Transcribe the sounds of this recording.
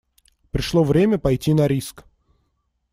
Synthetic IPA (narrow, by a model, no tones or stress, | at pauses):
pɾʲɪʂlˠovɾʲemʲəpɐjtʲinɐɾʲisk